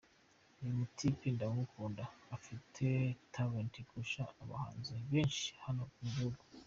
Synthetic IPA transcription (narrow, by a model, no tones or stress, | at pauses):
ejimutʰipindaŋukʰuːndaːfitʰetʰaβentikuʃaːβa̰ha̰ːnzeβeːnʃi̥hano̞iɡihuɡu